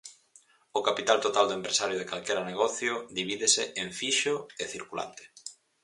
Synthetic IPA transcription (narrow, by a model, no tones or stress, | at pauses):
ʊkapit̪alt̪ot̪ald̪oempɾesaɾjʊð̞ekalkeɾaneɣɔθjʊðiβ̞iðɪseʔeɱfiʃʊeθiɾkula̰nt̪e̥